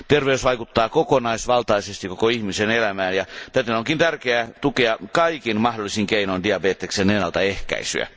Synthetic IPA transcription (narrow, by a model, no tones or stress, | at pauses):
t̪erʋeysʋɑikut̪ːɑːkokonɑisʋɑlt̪ɑisest̪ikokoihmisenelæmæːnjɑt̪æt̪enoŋkint̪ærkeæt̪ukeɑkɑikinmɑhdolːˑisiŋkeinoindiɑbeːt̪ːekseːnenːɑlt̪ɑehkæ̰isy̰æ̰